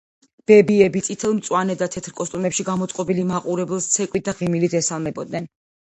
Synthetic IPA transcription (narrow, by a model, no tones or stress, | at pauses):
b̥ɛbiɛbit̪sʼit̪ʰɛlˠmt̪sʼwanɛd̪at̪ʰɛt̪ʰɾkʼɔst̪ʼumɛpʃiɡamɔt̪sʼqʼɔbilimaqʼuɾɛbɛlˠst̪sʰɛkʼwit̪̚d̪aʁimilid̪ɛsalˠmɛbɔd̪̚nɛn